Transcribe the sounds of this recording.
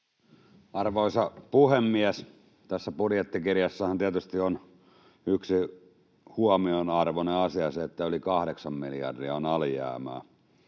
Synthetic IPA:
ɑrʋoisɑpuhemːiæs | t̪æsːæpuɾjet̪ːikirjɑsːɑhɑnt̪iæt̪yst̪ion | yksi | huɑmionɑrʋoneɑsiɑseet̪ːæylikɑhɾeksɑmmiljɑ̰rdiɑonɑljæ̰ːmæ̰ː

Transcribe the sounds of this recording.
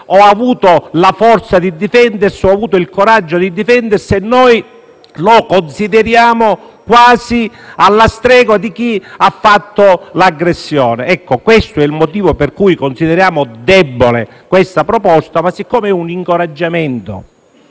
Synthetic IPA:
ɔavuːt̪olafɔrt̪sad̪id̪ifɛnd̪ersɪɔavuːt̪oilkoɾad͡ʒːod̪id̪ifɛnd̪ersenːɔj | lokonsid̪ɪɾjaːmo | kwaːzi | alːast̪ɾɛːɡwad̪ik̟iafːat̪ːolaɡɾesːjɔːneɛkːokwest̪oɛilmot̪iːvoperkujkonsiðeɾjaːmod̪ɛbːole | kwest̪apɾopɔst̪amasːikːɔːmeɛuniŋkoɾad͡ʒːamɛnt̪o̰

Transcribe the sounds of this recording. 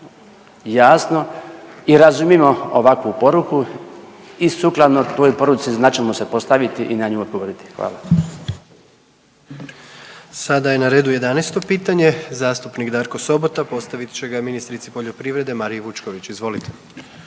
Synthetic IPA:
jaːsnoiɾazumimo̞oʋakʋupo̞ɾuku | isuklˠad̪not̪ojpo̞ɾut̪siznat͡ʃemosepo̞st̪aʋit̪iʔinaɲuobɡoʋoɾit̪i̥xʋa̰ːla̰ | sad̪aje̞naɾe̞ːd̪uje̞d̪anest̪o̞piːt̪aɲe̞zaːst̪upnikd̪aːɾko̞so̞bo̞t̪apo̞t̪st̪aʋit̪t͡ɕe̞ɡaminist̪ɾit̪sipo̞ʎo̞pɾiːʋɾe̞d̪e̞maɾijeʋut͡ʃko̞ʋit͡ɕizʋo̞lit̪ʰe̥

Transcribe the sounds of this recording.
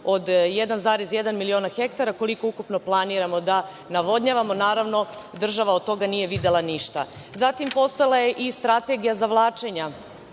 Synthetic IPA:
od̪jed̪anzaːɾezjed̪anmilio̞ːnaxe̞k̚t̪aɾako̞liko̞ukupno̞plˠaniːɾamo̞d̪a | naʋo̞d̪ɲaʋamo̞naːɾaʋno̞d̪r̩ʒaʋaod̪̚t̪o̞ɡanijeʋid̪e̞lˠaniʃt̪a̰ | zat̪impo̞st̪ojelˠaje̞ʔist̪ɾat̪e̞ɡijazaʋlˠaːt͡ʃe̞ɲa

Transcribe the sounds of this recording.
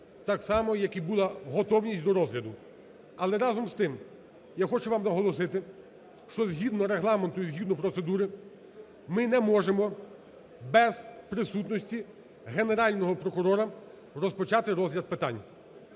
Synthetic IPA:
t̪ɑksɑmɔjɐkibulˠɑɦɔt̪ɔwnʲisʲtʲd̪ɔɾɔzɦlʲɐd̪ʊ | ɐlˠɛɾɑzɔmst̪ɪm | jaxɔt͡ʃʊʋɑmnɐɦɔlˠɔsɪt̪ɪ | ʃt͡ʃɔzɦʲid̪nɔɾeɦlˠɑment̪ʊizɦʲid̪nɔpɾɔt̪se̞d̪uɾɪ | mɪnɛmɔʒemɔ | bɛzpɾɪsut̪nɔsʲtʲi | ɦene̞ɾɑlʲnɔɦɔpɾɔkʊɾɔɾɐ | rɔspɔt͡ʃɑt̪ɪɾɔzɦlʲɐd̪̚pɪt̪ɑ̰nʲ

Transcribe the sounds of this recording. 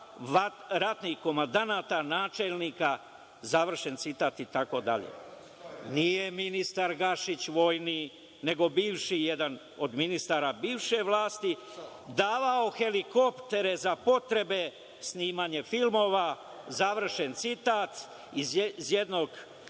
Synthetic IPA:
a | ɾat̪nihko̞mand̪anaːt̪anaːt͡ʃelniːka | zaʋr̩ʃe̞nt̪sit̪aːt̪it̪ako̞d̪a̰ʎḛ | nije̞minist̪aɾɡaʃit͡ɕʋo̞jni | ne̞ɡo̞biːʋʃijed̪an | o̞d̪minist̪aːɾabiːʋʃe̞ʋlaːst̪i | d̪aːʋao̞xe̞liko̞pt̪e̞ɾe̞zapo̞t̪ɾe̞be̞ | sniːmaːɲe̞filmo̞ʋa | zaʋr̩ʃe̞nt̪sit̪aːt̪ | izzjed̪no̞ɡ

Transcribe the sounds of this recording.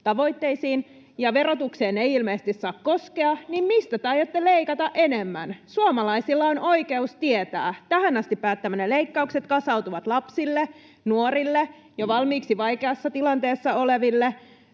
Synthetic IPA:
t̪ɑʋo̞it̪ːeisiːn | jɑʋeɾo̞t̪ukseːneiilmeːst̪issɑːkkoskeɑnimmist̪æt̪ɑjot̪ːeleikɑt̪ɑʔe̞nemːænsuomɑlɑisilːɑonʔo̞ikeust̪iet̪æ̰ːt̪æhænɑst̪ipːæːt̪ːæmæneleikːɑukset̪kɑsɑwt̪uʋɑt̪lɑpsilːe | nuorilːe | joʋɑlmiːksiʋɑikeɑsːɑt̪ilɑnt̪eːsːɑoleʋilːe

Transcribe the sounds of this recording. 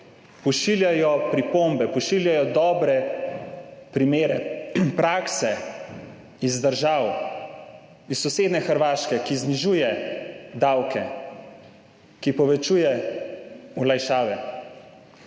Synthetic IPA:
pɔʃiljajɔpɾipombɛpɔʃiljajɔd̪ɔːbɾɛ | pɾimeːɾɛ̰pɾaːksɛ | izd̪əɾʒaːw | isːɔseːd̪nɛxəɾʋaːʃkɛkizniʒujɛd̪awkɛ | kipɔʋɛt͡ʃujɛ | ulajʃaːʋɛ

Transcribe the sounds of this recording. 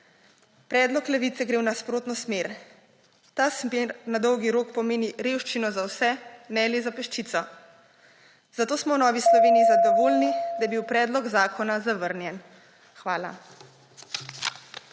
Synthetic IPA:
pɾɛːd̪lɔklɛʋiːt̪sɛɡɾeːwnaspɾoːt̪nɔsmeːɾ | t̪aːsmeɾnad̪ɔwɡiɾoːkpɔmeːniɾeːwʃt͡ʃinɔzawsɛnɛlizapɛʃt͡ʃiːt̪sɔ | zat̪oːsmɔwnɔːʋislɔʋeːniizad̪ɔʋoːlnid̪ajɛbiwpɾɛːd̪lɔɡzaːkʰɔnazaʋəɾnjɛn | xʋaːla̰

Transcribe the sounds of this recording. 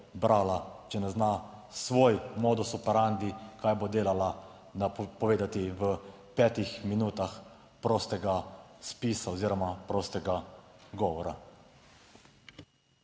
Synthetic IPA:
bɾaːlat͡ʃɛnɛznasʋoːjmoːd̪usɔpɛɾand̪ikaːjbod̪eːlala | napɔʋeːd̪at̪iʋə | pɛːt̪ixminuːt̪ax | pɾoːst̪ɛɡaspiːsaoziːɾɔmapɾoːst̪ɛɡaɡɔːʋɔɾa

